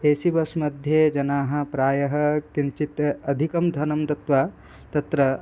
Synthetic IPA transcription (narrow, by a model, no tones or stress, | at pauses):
eːsibɐsmɐd̪ʱjeːd͡ʒɐnaːɦɐ̆pɾaːjɐɦɐ̆kint͡ʃit̪jɐɐd̪ʱikɐmd̪ʱɐnɐmt̪ɐt̪ʋa | t̪ɐt̪ɾɐ